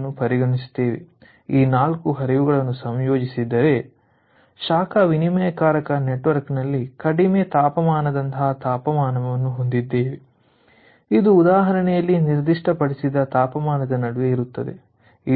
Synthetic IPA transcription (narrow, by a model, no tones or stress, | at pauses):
nːupɐɾiɡɐɳist̪eːʋḛ | iːnaːlkuɦɐɾijʋuɡɐɭɐnːusɐmjo̞ːd͡ʒisid̪ːɐɾe̞ | ʃaːkʰɐʋinimɐjɐkaːɾɐkɐne̞ʈʋɐɾknɐlːikɐɽimet̪aːpɐmaːnɐd̪ɐnt̪ɐɦat̪aːpɐmaːnɐʋʋɐnːuɦo̞nd̪id̪ːeːʋe | id̪uːd̪aːɦɐɾɐɳɛjɐlːiniɾd̪iʂʈɐpɐɽisid̪ɐt̪aːpɐmaːnɐd̪ɐnɐɽuʋeiɾut̪ːɐd̪e̞̰ | i